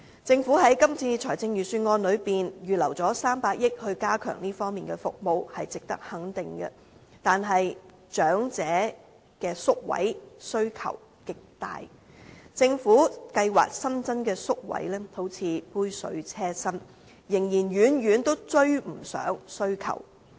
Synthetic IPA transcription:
t͡sɪ˧ŋfuː˨˥ɦɐ˨˥jkɐ˥mt͡sʰiː˧t͡sʰɔː˨˩jt͡sɪ˧ŋjyː˨˩syː˧nŋɔː˧nlɵ˨˧ɥpiː˨njyː˨lɐ˨˩wt͡sɔː˨˥saː˥mpaː˧k̚jɪ˥k̚hɵ˧ɥkaː˥kʰœ̰ː˨˩ŋniː˥fɔː˥ŋmiː˨nkɛ˧fʊ̰˨k̚mo˨˧whɐ˨jt͡sɪ˨k̚t̪ɐ˥k̚hɐ˨˥ŋt̪ɪ˨ŋkɛ̰˧ | t̪aː˨nɦɐ˨j | t͡ʃœː˨˥ŋt͡sɛː˨˥ | kɛː˧sʊ˥k̚wɐ̰˨˥jsɵ˥ɥkʰɐ̰˨˩w | kɪ˨k̚t̪a̰ː˨j | t͡sɪ˧ŋfuː˨˥kɐ˧jwa̰ː˨k̚sɐ˥nt͡sɐ˥nkɛː˧sʊ˥k̚wɐ̰˨˥jlɛː˥h̪o˨˥wt͡sʰiː˨˧puː˥jsɵ̰˨˧˥ɥt͡sʰɛː˥sɐ˥n | jɪ˨˩ŋjiː˨˩nɥyː˨˥njyː˨˥nt̪o˥wt͡ʃɵ˥ɥm̩˨˩sœ̰ː˨˥ŋsɵ˥ɥkʰɐ̰˨˩w

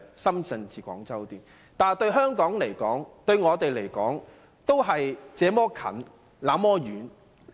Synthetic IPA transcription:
sɐ˥msɐ˧nt͡siː˨kʷɔ̰ː˨˥ŋt͡sɐ˥wt̪iː˨n | t̪aː˨nt̪ɵ˧ɥɦœː˥ŋkɔː˨˥ŋle˨˩jkɔ̰ː˨˥ŋt̪ɵ˧ɥŋɔː˨˧t̪e˨jle˨˩jkɔː˨˥ŋ | t̪o˥wɦɐ˨jt͡sɛː˨˧mɔː˥kʰɐ̰˨˩n | laː˨˥mɔː˥jyː˨˥n

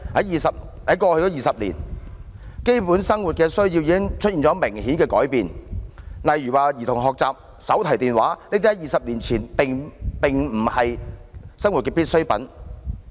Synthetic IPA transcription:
hɐ˨˥jiː˨sɐ˨p̚ | hɐ˨˥jkɔː˧hɵ˧jɔː˨˥jiː˨sɐ˨p̚lḭ˨˩n | ke˥jpuː˨˥nsɐ˥ŋwu˨t̚kɛː˧sɵ˥ɥjiː˧wjiː˨˧kɪ˥ŋt͡ʃʰɵ˥t̚iː˨nt͡sɔ˨˧˥mɪ˨˩ŋhiː˨˥nkɛː˧kɔ̰ː˨˥jpiː˨˧n | lɐ˨jːyː˨˩waː˨jiː˨˩t̪ʰʊ˨˩ŋɦɔː˨k̚t͡saː˨p̚ | sɐ˨˥wt̪ʰɐ˨˩jt̪iː˨nwaː˨˥ne˥t̪i˥ɐ˨˦jiː˨sɐ˨p̚liː˨˩nt͡sʰiː˨˩npɪ˨ŋpɪ˨ŋm̩˨˩hɐ˨jsɐ˥ŋwu˨t̚kɛː˧piː˥t̚sɵ˥ɥpɐ̰˨˥n

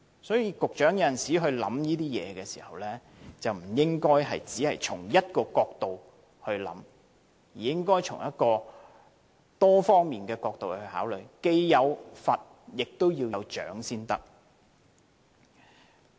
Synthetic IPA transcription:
sɔː˨˥jiː˧kʊ˨k̚t͡ʃœː˨˥ŋjɐ˧jɐ˨˩nsiː˨˥ɦɵ˧ɥlɐ̰˨˥mjiː˥t̪iː˥jɛ̰ː˨˧kɛː˧si̥̰ː˨˩hɐ˨wlɛː˥ | t͡sɐ˨wm̩˨˩jɪ˥ŋkɔː˥jɦɐ̰˨jt͡siː˨˥hɐ˨jt͡ʃʰʊ˨˩ŋjɐ˥t̚kɔː˧kɔː˧k̚t̪o˨w | hɵ˧ɥlɐ̰˨˥m | jiː˨˩jɪ˥ŋkɔː˥jt͡sʰʊ̰˨˩ŋjɐ˥t̚kɔː˧ | t̪ɔː˥fɔː˥ŋmiː˨nkɛː˧kɔː˧k̚t̪o˨whɵ˧ɥha̰ː˨˥wlɵ˨ɥjke˧jːɐ˨˧wfɐ˨t̚ | jɪ˨k̚t̪o˥wjiː˧wjɐ˨˧wt͡ʃœ̰ː˨˥ŋsiː˥nt̪ɐ˥k̚

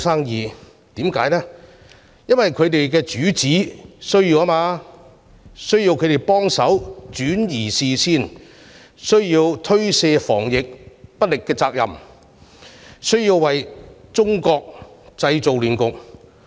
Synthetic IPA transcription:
saː˥ŋjiː˨˩ | t̪iː˨˥mkaː˨˥jlɛː˥ | jɐ˥nwɐ˨jkʰɵ˨˧t̪e˨jkɛː˧t͡ʃyː˨˥t͡siː˨˥sɵ˥ɥjiː˧wa˥maː˧ | sɵ˥ɥjiː˧wkʰɵ˨˧te˨˩jpɔː˥ŋsɐ˨˥wt͡ʃyː˨˥njiː˨˩siː˨siː˥n | sɵ˥ɥjiː˧wt̪ʰɵ˥ɥsɛː˧fɔ̰ː˨˩ŋjɪ˨k̚pɐ˥t̚lɪ˨kːɛː˧t͡saː˧k̚jɐ̰˨m | sɵ˥ɥjiː˧wːɐ˨jt͡sʊ˥ŋkɔː˧k̚t͡sɐ˧jt͡so˨wlyː˨nkʊ˨k̚

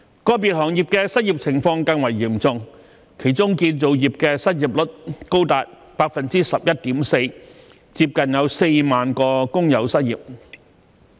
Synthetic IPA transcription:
kɔː˧˥p̬i˨t̚hɔː˨˩ŋjiː˨p̚kɛː˧sɐ˥t̚jiː˨˩p̚t͡sʰɪ˨˩ŋfɔː˧ŋkɐ˧ŋwɐ˨˩jːiː˨˩mt͡sʊ˨˧ŋ | kʰe˨˩jt͡sʊ˥ŋkiː˧nt͡so˨˧wjiː˨˩p̚kɛː˧sɐ˥t̚jiː˨˩p̚lʊ˥t̚ko˥wt̪aː˨t̚ | paː˧k̚fɐ˨nt͡siː˥sɐ˨p̚jɐ˥t̚t̪iː˨˥mse˧j | t͡siː˧˥p̚kɐ˨njɐ˨˧wse˧jmaː˨nkɔː˧kʊ˥ŋjɐ˨˥wsɐ˥t̚jiː˨p̚

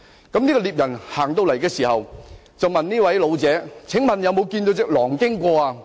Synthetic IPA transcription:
kɐ˨˥mniː˥kɔ˧liː˨˩p̚jɐ˨˩nhaː˨˩ŋt̪̬o˧wlɐ˨˩jkɛː˧siː˨˩hɐ˨w | t͡sɐ˨wmɐ˨nniː˥wɐ˨˦˥jlo˨˧wt͡sɛː˨˥t͡sʰɪ˨˥ŋmɐ˨njɐ˨˧wmo˨˧wkiː˧nt̪o˨˧wt͡sɪ˨˥k̚lɔː˨˩ŋkɪ˥ŋkʷɔː˧aː˧

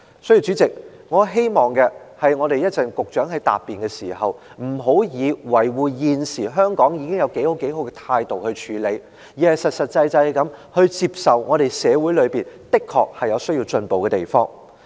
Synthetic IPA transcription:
sɔ˥ji˨˧wt͡ʃyː˨˥t͡sɪ˨k̚ŋɔː˨˧ɦe˥jmɔː˨ŋkɛ˧hɐ˨jŋɔː˨˧ɾe˨jɐ˥t̚t͡sɐ˨˩nkʊ˨k̚t͡ʃœː˨˥ŋhɐ˨˥jt̪a̰ː˨pːiː˨˩nkɛː˧sḭː˨˩ɦɐ˨w | m̩˨˩ɦo˨˥wjiː˨˧wɐ˨˩jwuː˨jiː˨nsiː˨˩ɦœː˥ŋkɔː˨˥ŋji˨˧kɪ˥ŋjɐ˨˧wke˨˥jho˨˥wke˨˥jɦo˨˥wkɡɛ˧t̪ʰaː˧jt̪o˨whɵ˧t͡ʃʰyː˨˧˥le˨˧j | jiː˨˩hɐ˨jsɐ˨t̚sɐ˨t̚t͡sɐ˧jt͡sɐ˧ɐ˨jkɐ˨˥mhɵ˧ɥt͡siː˧p̚sɐ˨wŋɔː˨˧ɾe˨jsɛː˨˧wu˨˥jlɵ˨˧ɥpiː˨˩nt̪ɪ˥kʰːɔ̰ː˨k̚hɐ˨jɐ˨˧wsɵ˥ɥjiː˧wt͡ʃɵ˧npo˨wkɛː˧t̪ḛ˨˩jfɔː˥ŋ

